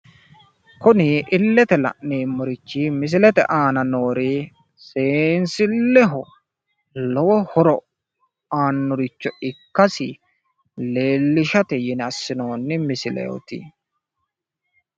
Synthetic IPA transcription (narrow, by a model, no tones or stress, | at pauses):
kʊnɪʔɪlːɛt̪ɛlɐ̰ʔneːmːʊɾɪt͡ʃːimɪs̬ɪlɛt̪ɛ̰ʔaːnɐnoːɾiː | seːnsɪlːɛɦɔ | lɔwɔhɔɾɔ | aːnːʊɾɪt͡ʃːɔɪkːɐsɪ | le̞ːlːɪʃɐt̪ɛjɪnɐsːɪno̞ːnːɪmɪsɪlɛ̰ɔ̰t̪ɪ̰